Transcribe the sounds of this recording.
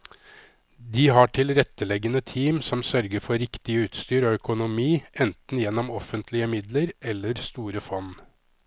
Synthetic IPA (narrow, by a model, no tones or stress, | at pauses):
d̪iːɦɑʈʰɪlɾɛt̪ːəlɛɡənət̪ʰiːmsɔmsœɾɡəɾfɔɾɪkt̪ɪəʉːt̪st̪yːɾɔːœkʊnʊmiːʔɛnt̪n̩jɛnːɔmɔfənt̪ʰlɪəmɪd̪ləɾʔɛlːəɾst̪uːɾəfɔn